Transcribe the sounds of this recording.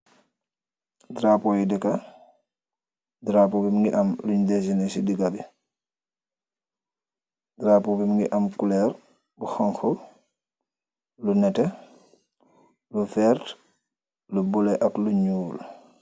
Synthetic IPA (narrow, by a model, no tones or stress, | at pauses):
dɾapɔjidɛka | dɾapɔbimŋɡiʔɐmluɲdɛsinɛsidiɡabi | dɾapɔbimŋɡiʔamkulɛɾ | buxaŋxɔ | lunɛtɛ | lufɛɾt | lubulɛʔakluɲuːl